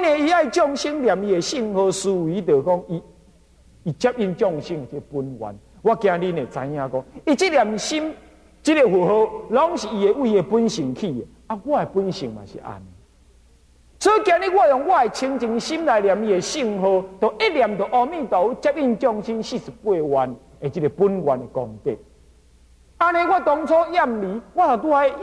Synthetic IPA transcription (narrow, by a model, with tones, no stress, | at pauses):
nẽ˨i˧a˦˨i˨t͡ɕjɔ˥˧ŋɕi˦ŋlja˨mi˧e˨ɕi˥˧˨ŋho˧su˧wi˨˦t̪ə˨kɔ˦ŋi˧ | i˨t͡ɕa˦p̚i˦˧˨nt͡ɕjɔ˦˧ŋɕi˦ŋe˨t͡ɕi˦˧pu˦nwa̰˨˦n | ɡwa˦kjã˧li˦nẽ˨t͡sã̰˧jã˦kɔ˦ŋi˦t͡ɕi˦lja˨mɕi˦m | t͡ɕi˦ɾe˨˧ɦu˨ɦo˧lɔ˦ŋɕi˨i˧e˨ʔwi˧e˨pu˦nɕi˨˩ŋkʰi˦˨e˨ | a˦ɡwa˦˧e˨pu˦nɕḭ˨˩ŋmã̰˨ɕḭ˨ʔa̰˨ne˨ | sʰɔ˦i˦kjã˧ɾi˦ɡwa˦˧jɔ˨˩ŋɡwa˦˧˨e˨t͡ɕʰi˧ŋt͡ɕi˧ŋɕi˦mla˨˧jlja˨mi˧e˨ɕi˧ŋɦo˧t̪ə˨˩ʔe˦lja˨mt̪ə˨ʔɔ˧mĩ˦˨t̪ɔ˨˦u˦t͡ɕɛ˦p̚i˦˧nt͡ɕjɔ˦˧ŋɕi˦nɕi˦˧su˨˩pwe˥˧˨wa˧n | e˨t͡ɕi˦ɾe˧pu˦nɡwa˨ne˨kɔ˨ŋk̪ḛ˨k̚ | a˧nẽ˧˦ɡwa˦˨t̪ɔ˧ŋt͡sʰɔ˦ja˥˧˨mli˨˦ɡwa˦˨sa˨˩t̪̬u˦a˧e˦